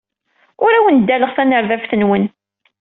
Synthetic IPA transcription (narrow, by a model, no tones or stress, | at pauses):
ʊɾæwənd̪ːæləʁθænəɾðæfθənwən